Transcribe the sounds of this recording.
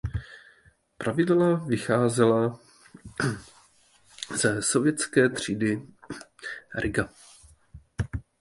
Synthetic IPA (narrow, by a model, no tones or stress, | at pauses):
pɾʔavɪdlavɪxaːzɛla | z̥ɛso̞vjɛtt͡skɛːt̪r̝̥iːdɪ | ɾʔɪɡa